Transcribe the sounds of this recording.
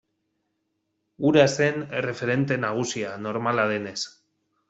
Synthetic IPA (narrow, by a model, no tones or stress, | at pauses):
uɾase̞nere̞fe̞ɾe̞nt̪e̞naɣ̞usiano̞ɾmalaðe̞ne̞s